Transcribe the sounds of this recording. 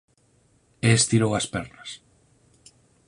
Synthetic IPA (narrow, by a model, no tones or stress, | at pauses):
eest̪iɾowaspɛɾnas